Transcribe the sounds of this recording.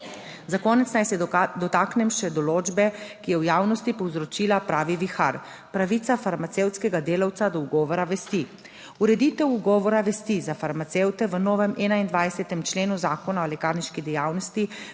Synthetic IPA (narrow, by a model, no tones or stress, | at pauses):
zakɔːnɛt̪snajsɛd̪ɔt̪aːknɛmʃɛd̪ɔloːd͡ʒbɛkijɛwjaːwnɔst̪ipɔwzɾɔt͡ʃiːlapɾaːʋiʋixa̰ɾ | pɾaʋiːt̪safaɾmat̪sewt̪skɛɡad̪eːlawt̪sad̪ɔuɡɔːʋɔɾaʋɛst̪i | uɾɛd̪it̪ɛwuɡɔːʋɔɾaʋɛst̪izafaɾmat̪sewt̪ɛʋənɔːʋɛmʔɛːnaind̪ʋajsɛt̪ɛmt͡ʃleːnuzaːkɔnaolɛkaːɾniʃkid̪ɛjaːwnɔst̪i